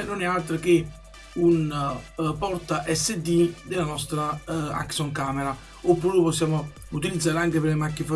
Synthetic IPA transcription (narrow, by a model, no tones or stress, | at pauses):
nonɛalt̪ɾake | un | pɔrt̪aʔɛsːed̪id̪elːanɔst̪ɾaa̰ksɔŋkaːmeɾa | opːuːɾepɔsːjaːmo | ut̪ilid̪zːaːɾeaŋkepeɾlemakːifa